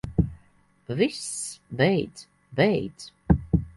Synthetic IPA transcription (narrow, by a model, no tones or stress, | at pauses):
visvɛjd̪z̥ | vɛjd̪z̥